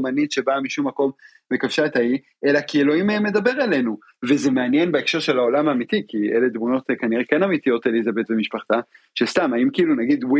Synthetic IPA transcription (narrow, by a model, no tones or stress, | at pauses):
manit̪ʃe̞baamiʃumːako̞m | bekafʃatai | elakielo̞imaemːe̞d̪abe̞ʁale̞nu | vezemeanje̞nbeekʃe̞ʁʃe̞lao̞lamamit̪ikieled̪muno̞t̪kaniʁekenamitijo̞telizabe̞tvemiʃpaχt̪a | ʃest̪amaimkiilunaɡid̪wu